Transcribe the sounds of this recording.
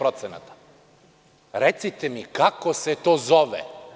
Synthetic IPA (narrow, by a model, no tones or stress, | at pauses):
ɾot̪sena̰t̪ḁ | ɾet̪sit̪emikakose̞t̪oːzoʋḛ